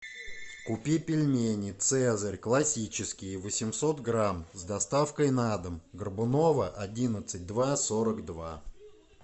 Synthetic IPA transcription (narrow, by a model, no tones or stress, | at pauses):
kʊpʲipʲɪlʲmʲenʲɪt̪sɛzərʲklˠɐsʲit͡ɕɪskʲɪjvəsʲɪmsot̪ɡɾamzd̪ɐst̪afkəjnad̪əmɡərbʊno̞vəʔɐdʲinət̪sɨt̚ʲd̪vasoɾəkd̪va